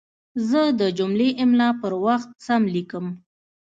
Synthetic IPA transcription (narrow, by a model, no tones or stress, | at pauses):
zəd̪əd͡ʒʊmleʔɪmlɑpəɾwaxt̪̚samlikəm